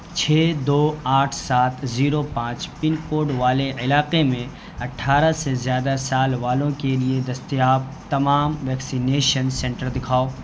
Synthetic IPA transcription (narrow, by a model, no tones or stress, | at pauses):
t͡ʃʰɛːd̪oːaːʈʰsaːt̪ʰziːɾopãːt͡ʃpɪnkoːɾɖʋaːleɪlaːqemẽ | ɐʈʰːaːɾasezjaːd̪asaːlʋaːlõkelied̪ɐst̪ijaːb̚t̪ɐmaːmʋɛːksineːʃənsɛ̃ɳʈəɾd̪ɪkʰaːoː